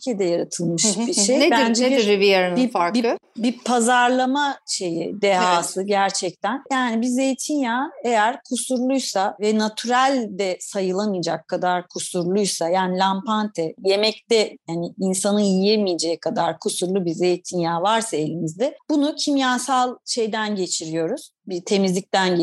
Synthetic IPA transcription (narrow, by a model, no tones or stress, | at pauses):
ycʲʰied̪ɛjaɾat̪ʰɯlˠmɯʃbiʃejnebænd͡ʒeeibijaɾɯnifaɾkbiɯbipʰazaɾlˠamaʃe̞jḭd̪eɦaːsɯɟæɾt͡ʃʰɛc̚t̪ʰænjaːnibize̞jit̪ʰinjaːe̞jæɾkʰusuɾlˠujsavɛnat̪ʰyɾælʲd̪ɛsajɯlˠamɯjd͡ʒakʰːad̪aɾkʰusuɾlˠujsajaːnilʲampant̪ʰɛje̞mɛct̪ɛjaniinsanɯjijemijed͡ʒejɛkʰad̪aɾkʰusuɾlˠubize̞jt̪ʰinjaːvaɾsae̞lʲimizd̪ɛb̥unucʰimjaːsalˠʃe̞jd̪ænɟe̞t͡ʃʰiɾijo̞ɾuz̥bit̪ʰe̞mizlʲic̚t̪æn